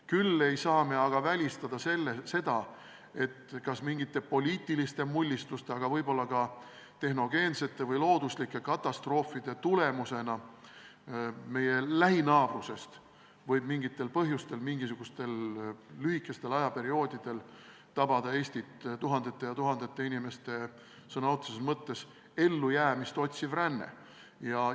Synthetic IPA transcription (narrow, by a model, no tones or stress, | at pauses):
kylːe̞jsɑːme̞ɑɡ̥ɑvælʲist̪ɑd̪̥ɑse̞lːese̞d̪̥ɑ | e̞t̪kɑsmiŋɡ̥it̪ːe̞po̞lʲiːt̪ˑːilist̪e̞mulʲːist̪ust̪e̞ɑɡ̥ɑvɤjbo̞lːɑkɑ | t̪e̞ɦno̞ɡe̞ːnse̞t̪ˑːe̞vɤjlo̞ːd̪̥uslikːˑe̞kɑt̪ːˑɑst̪ro̞ːfːid̪̥e̞t̪ule̞muse̞nɑ | me̞je̞læɦinɑːb̥ruse̞st̪ | vɤjbmiŋɡit̪ˑːe̞lpɤɦjust̪e̞lmiŋɡisuɡ̥ust̪e̞lːyhikːˑe̞st̪e̞lɑjɑpe̞ɾio̞ːd̪̥id̪̥e̞l | t̪ɑb̥ɑd̪̥ɑe̞ːsʲt̪it̪t̪uɦɑnd̪̥e̞t̪ːe̞jɑt̪uɦɑnd̪e̞t̪ːˑe̞inime̞st̪e̞ | sɤnɑot̪sesesmɤt̪ːe̞s | e̞lːujæːmist̪o̞t̪ʲsivrænːḛ | jɑ